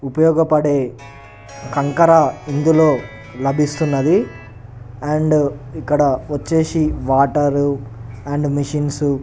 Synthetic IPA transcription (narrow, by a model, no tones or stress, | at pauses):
upɐjɔːɡɐpɐɽe̞ː | kɐŋkɐɾɐind̪ulo̞ː | lɐbʱist̪unːɐd̪i | ɐɳɖikːɐɽɐʋɐt͡ʃːe̞ːsiʋaːʈɐɾu | ɐɳɖmiʂinsu